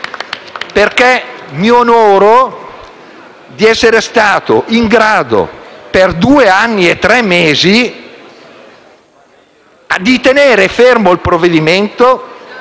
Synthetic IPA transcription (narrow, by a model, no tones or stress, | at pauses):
perkɛmionoːɾo | d̪iɛsːeɾest̪aːt̪o̰ʔiŋɡɾaːd̪o̰perd̪uːeanːiet̪ːɾɛmːeːzi | ad̪it̪eneːɾefermoilpɾovːed̪iment̪o